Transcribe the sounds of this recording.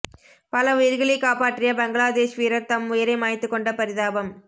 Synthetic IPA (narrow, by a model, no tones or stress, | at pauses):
pɐlɐʊjɪɾɣɐɭɪkːaːpaːʈːrɪjɐbɐŋɡɐɭaːd̪eːʂʋiːɾɐɾt̪ɐmʊjɐɾɐɪmaːjt̪ːɯkːɔɳɖɐpɐɾɪðaːbɐm